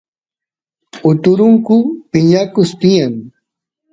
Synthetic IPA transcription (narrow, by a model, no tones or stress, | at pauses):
ʊt̪ʊɾʊŋkʊpɪɲakʊst̪ɪjaŋ